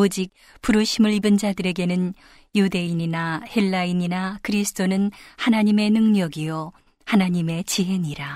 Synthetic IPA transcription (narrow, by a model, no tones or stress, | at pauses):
od͡ʑik̚ | puɾɯɕʰimɯɭibɯnd͡ʑadɯɾe̞ɡe̞nɯn | jude̞iɲinaheɭːaiɲinakɯɾisʰɯ̥d͈ʰonɯnhanaɲime̞nɯŋɲʌɡijʌ | hanaɲime̞t͡ɕiɦe̞ɲiɾa